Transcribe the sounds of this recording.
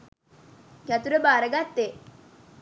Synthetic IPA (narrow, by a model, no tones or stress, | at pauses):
kæt̪uɾəbaːɾəɡat̪ːe